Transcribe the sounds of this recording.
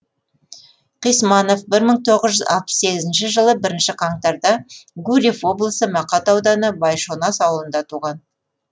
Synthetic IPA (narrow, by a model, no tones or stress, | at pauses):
qijsmɑno̞fbɪɾməɴt̪ʰo̞ʁəzʒʏzɑ̰lˠpə̥sse̞ɡʲɪzɪnʃɪʒəlˠəbɪɾɪnʃɪqʰɑɴt̪ɑɾd̪ɑɡuɾʲifwo̞blˠəsəmɑqɑt̪ɑwd̪ɑnəbɑjʃo̞nɑsɑwəlˠənd̪ɑt̪ʰuʁɑn